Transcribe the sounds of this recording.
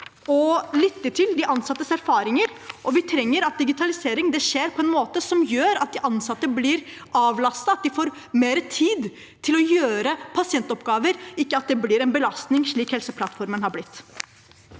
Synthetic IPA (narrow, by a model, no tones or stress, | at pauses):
ɔlɪt̪ːəʈ̪ʰɪld̪ɪʔɑnsɑt̪ːəsæɾfɑːɾɪŋəɾʔɔʋɪt̪ʰɾɛŋːəɾɑt̪̚d̪ɪɡɪt̪ʰɑlɪseːɾɪŋd̪ɛʂeːɾpʰɔɛnmoːt̪əsɔmjøːɾɑt̪̚d̪ɪʔɑnsɑt̪ːəblɪɾ | ʔɑːʋlɑst̪ɑɑt̪̚d̪ɪfoːɾ | meːɾət̪ʰiːd̪ | t̪ʰɪlɔjøːɾəpʰɑsɪɛnt̪ɔpɡɑːʋəɾɪkːəɑt̪̚d̪ɛblɪɾɛnbəlɑst̪nɪŋʂɭiːkhɛlsəpʰlɑt̪ːfɔɾmənhɑblɪt̪ː